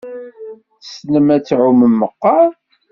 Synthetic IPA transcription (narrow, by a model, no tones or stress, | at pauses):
θəsnəmæt͡sːʕuməmːəqːɑ